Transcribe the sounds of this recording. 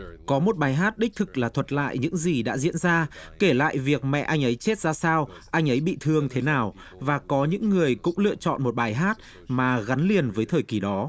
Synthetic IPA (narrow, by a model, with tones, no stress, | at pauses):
kɔ˨˦mo˨˩t̚ɓaː˨˩jɦaː˦˥t̚ɗi˦˥k̚t̪ʰɨ˨˩k̚laː˨˩t̪ʰwə˨˩t̚la̰ː˧˨jɲɨ̰˧˥ŋzi˨˩ɗa̰ː˧˥zḭ˧˥ənzaː˧ke˧˩la̰ː˧˨jvi˨˩ək̚mɛ̰˧˨ʔa˧jŋ̟ʔə˨˦jt͡ɕe˦˥t̚zaː˧saː˧w | ʔa˧jŋ̟ʔə˨˦jɓḭ˧˨t̪ʰɨ˨˩əŋt̪ʰe˨˦naː˨˩w | vaː˨˩kɔ˨˦ɲɨ̰˧˥ŋːɨ˨˩əjkʊ̰˧˥ŋ͡mlɨ̰˧˨ət͡ɕɔ̰˧˨nmo˨˩t̚ɓaː˨˩jɦaː˦˥t̚ | maː˨˩ɣa˨˦nli˨˩ənvəː˨˦jt̪ʰəː˨˩jki˨˩ɗɔ˨˦